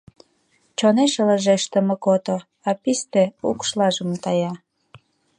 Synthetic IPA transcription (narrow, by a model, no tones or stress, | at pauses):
t͡ɕoneʃələʒeʃt̪ə̆mə̆kot̪o | ɑpist̪eṵkʃlɑʒəmt̪ɑjɑ